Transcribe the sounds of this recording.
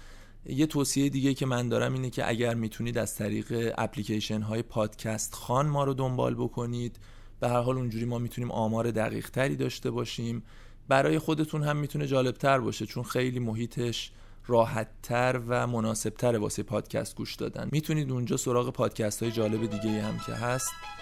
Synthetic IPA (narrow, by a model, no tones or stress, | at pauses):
je̞t̪ʰoːsiejed̪iːɟe̞jiːcʰe̞mænd̪ɒːɾæmiːnecʰe̞̰ʔæ̰ɟæɾmiːt̪ʰuniːd̪æz̥t̪ʰæɾḭːɣe̞æ̰pʰliːcʰeʃenɦɒːje̞pʰɒːd̪̥cʰæst̪xɒːnmɒːɾod̪o̞mbɒ̰ːlbo̞kʰo̞niːd̪̥ | b̥e̞hæɾɦɒːlund͡ʒuːɾiːmɒːmiːt̪ʰuniːmʔɒːmɒːɾe̞d̪æ̰ɣḭːʁ̥t̪ʰæɾiːd̪ɒːʃt̪e̞bɒːʃiːm | bæɾɒːje̞xo̞d̪e̞t̪ʰunhæmːiːt̪ʰune̞d͡ʒɒːle̞b̥̚t̪ʰæɾbɒ̰ːʃe̞t͡ʃʰonxe̞jliːmoɦiːt̪ʰe̞ʃ | ɾɒːhæt̪ʰːæɾvæmo̞nɒːse̞b̥̚t̪ʰæɾevɒ̰ːsejepʰɒːd̪̥cʰæ̰st̪̚ɡuːʃd̪ɒ̰ːd̪æ̰nmiːt̪ʰuniːd̪und͡ʒɒːso̞ɾɒːɣe̞pʰɒːd̪̥cʰæst̪hɒːje̞d͡ʒɒːle̞be̞d̪iːɟeiːhæmcʰe̞̰ɦæst̪